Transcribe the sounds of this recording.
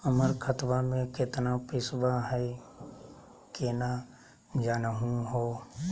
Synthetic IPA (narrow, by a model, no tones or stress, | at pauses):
əməɾkʰət̪ʋamẽkɪt̪napɪsbaɦɛ | kena | d͡ʒanəɦũɦoː